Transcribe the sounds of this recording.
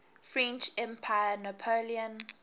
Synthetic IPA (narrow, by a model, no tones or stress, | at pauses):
fɹɛ̃nt͡ʃɛ̃mpʰajənapʰoliə̃n